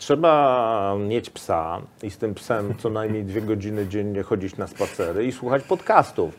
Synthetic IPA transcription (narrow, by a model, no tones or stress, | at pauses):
tʂɛbamʲjet͡ɕpsa̰ist̪ɘmpsɛmt̪sɔnajmʲɲejd̪vʲjɛɡɔd͡ʑinɘd͡ʑeɲːɛxɔd͡ʑit͡ɕnaspat̪sɛɾɘiswuxat͡ɕpɔt̪kast̪uf